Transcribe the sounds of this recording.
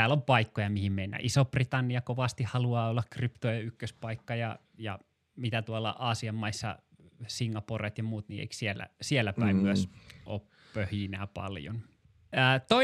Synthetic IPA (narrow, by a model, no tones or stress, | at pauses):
tæːlːompɑikːojɑmihimmeinːæ̰ʔisoprit̪ɑnːiɑkoʋɑst̪ihhɑluɑːolːɑkkrypt̪ojɑykːøspɑikːɑjɑ̰ | jɑ̰ | mit̪æt̪uɑlːɑ̰ʔɑːsiɑmːɑisːɑ̰ | siŋːɑporet̪jɑmuːt̪nḭḛiksielːæ̰sielːæpæimyæsʔo̰ːp | pøhjinæpɑ̰ljo̰n | æːt̪o